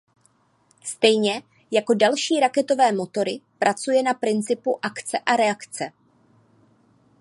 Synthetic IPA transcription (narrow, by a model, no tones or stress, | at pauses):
st̪ɛjɲɛ | jako̞dalʃiːɾakɛt̪o̞vɛːmo̞t̪o̞ɾɪpɾʔat͡sujɛnapɾɪnt͡sɪpuʔakt͡sɛʔaɾɛakt͡sɛ